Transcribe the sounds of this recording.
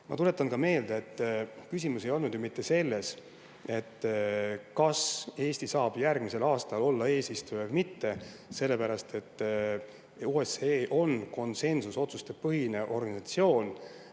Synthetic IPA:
mɑ̰t̪ule̞t̪ːˑɑnkɑme̞ːld̪̥eet̪ːkysʲimuse̞jo̞lnud̪jumit̪ːe̞se̞lːe̞s | e̞t̪ːkɑse̞ːsʲt̪isɑːb̥jærɡ̥mise̞lɑːst̪ɑlo̞lːɑe̞ːsist̪ujɑvmit̪ːe̞ | se̞lːe̞pæɾɑst̪ʰe̞t̪ː | uːeseʔo̞nko̞nse̞nsuso̞t̪sust̪e̞pɤɦine̞ʔo̞rɡɑnisɑt̪sio̞ːn

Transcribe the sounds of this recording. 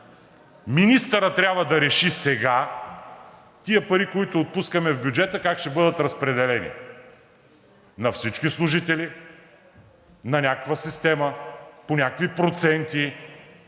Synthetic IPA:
minist̪əɾət̪ːɾʲabvəd̪ɐɾɛʃisɛɡa | t̪iəpɐɾikoit̪oːt̪̚puskəmɛvbʲjud͡ʒɛt̪əkakʃt̪ɛbɤd̪ət̪ɾɐspɾɛd̪ɛlɛnḭ | nɐfsit͡ʃkislˠʊʒit̪ɛli | nɐnʲakəkvəsist̪ɛməponʲakəkvipɾot̪sɛnt̪i

